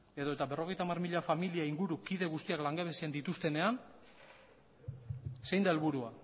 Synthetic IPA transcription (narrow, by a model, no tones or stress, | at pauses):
e̞ðo̞e̞t̪aβe̞ro̞ɣe̞jt̪aːmarmiʎafamiliaiŋɡuɾukiðe̞ɣust̪iaklaŋɡe̞β̞e̞siend̪it̪ust̪e̞ne̞an | se̞jnd̪ae̞lβuɾua